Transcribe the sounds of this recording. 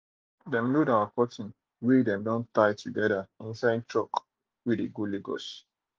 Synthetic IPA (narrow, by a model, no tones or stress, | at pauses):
dɛ̃mludawakɔtĩn | wedɛ̃mdɔ̃ntaɪtʰuɡɛdaĩnsãntʰɹɔk | widiɡuliɡo̰s